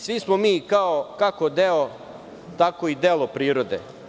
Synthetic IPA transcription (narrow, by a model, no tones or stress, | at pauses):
sʋismomiːkaokakod̪eo | t̪akoid̪elˠopɾiːɾod̪ḛ